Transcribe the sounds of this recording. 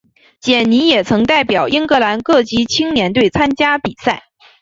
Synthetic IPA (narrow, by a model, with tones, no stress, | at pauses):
t͡ɕjɛ˨˩nni˧˥jɛ˨˩t͡sʰɤ˧˥ŋt̪a˥˩ɪpjɑ˨˩ʊʔi˥ŋkɤ˧˥la˧˥nkɤ˥˩t͡ɕi˥t͡ɕʰi˥ŋnjɛ˧˥nt̪we˥˩ɪt͡sʰa˥nt͡ɕja˥pi˨˩sa˥˩ɪ